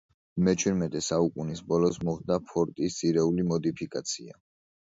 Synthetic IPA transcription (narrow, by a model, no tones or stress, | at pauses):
mɛt͡ʃʰwiɾmɛt̪ʼɛsaukʼunisbɔlɔsmɔχd̪apʰɔɾt̪ʼist̪sʰiɾɛulimɔd̪ipʰikʼat̪sʰia̰